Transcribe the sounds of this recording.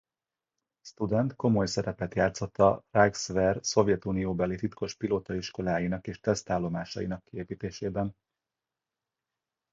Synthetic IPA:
st̪ud̪ɛnt̪ko̞mo̞jsɛɾɛpɛt̪jaːt̪so̞t̪ːɒraɡsvɛrso̞vjɛt̪unijoːbɛlit̪it̪kʰo̞ʃpiloːt̪ɒiʃko̞laːjinɒkeːʃt̪ɛst̪aːlːo̞maːʃɒ̰jḭnɒkːieːpiːt̪eːʃeːbɛn

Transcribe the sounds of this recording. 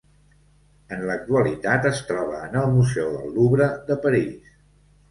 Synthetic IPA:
ənlək̚t̪uəlit̪at̪əst̪ɾɔβ̞əːnəlˠmuzɛwðə̰lːuβɾəðəpəɾis

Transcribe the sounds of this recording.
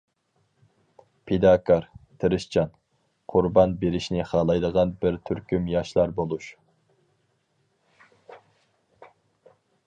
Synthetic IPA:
pʰed̪ɑkʰɑɾt̪ʰɨɾɪʃt͡ʃʰɑn | qʰʊɾbɑnbeɾɪʃnɪχɑːlˠɑjd̪əʁɑnbɪɾt̪ʰyɾkʲymjɑʃlˠɑɾbolˠuʃ

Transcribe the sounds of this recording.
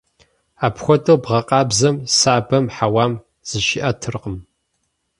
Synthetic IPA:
aːpxʷɔtʼowbʁɐqʼɑːbzɐmsaːbɐmħawaːm | z̥ɨʃɪʔɐtʰɨrqəm

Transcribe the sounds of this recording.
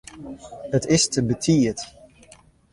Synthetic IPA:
hətɪstəbətʰiət

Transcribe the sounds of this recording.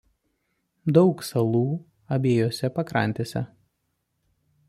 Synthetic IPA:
d̪ɒʊksɐlˠuː | ɐbʲeːjoːsʲɛpɐkɾɐ̰nʲt̪ʲeːsʲɛ̰

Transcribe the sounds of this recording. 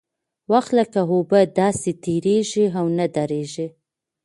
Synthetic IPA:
waxt̪ləkaɦobəd̪ɑset̪eɾeʒiɦawnad̪aɾeʒi

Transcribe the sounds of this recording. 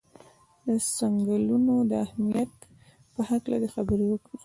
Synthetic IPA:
d̪əsaŋɡəlunod̪əahmijat̪ | pəhaklad̪əxabəɾewəki

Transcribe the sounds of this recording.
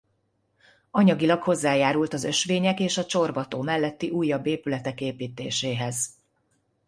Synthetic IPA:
ɒɲɒɡilɒkho̞zːaːjaːɾult̪ɒzø̞ʃʋeːɲɛkeːʃɒt͡ʃo̞rbɒt̪oːmɛlːɛt̪ːiʔuːjːɒbːeːpylɛt̪ɛkeːpiːt̪eːʃeːɦɛz̥

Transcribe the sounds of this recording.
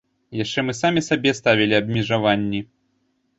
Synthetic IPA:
jaʂt͡ʂɛmɨsamʲisabʲɛst̪avʲilʲiɐbmʲɛʐavanʲːi

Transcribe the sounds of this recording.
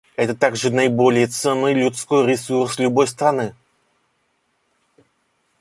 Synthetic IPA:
ɛt̪ət̪aɡʐɨnɐɪbolʲɪjət̪sɛnːɨjlʲʊt̪skojɾʲɪsurslʲʊbo̞jst̪ɾanɨ

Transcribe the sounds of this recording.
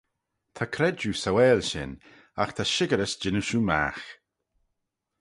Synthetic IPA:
t̪ʰakʰɾɛd͡ʒusawɛːlʃɪ̰n | axt̪ʰaʃɪɡəɾəsd͡ʒɪnuʃuma̰x

